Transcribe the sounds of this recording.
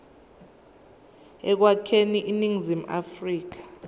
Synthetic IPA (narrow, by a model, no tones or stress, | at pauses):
ɛk̬wakʰeniʔiniŋzima̰friːk̬ḁ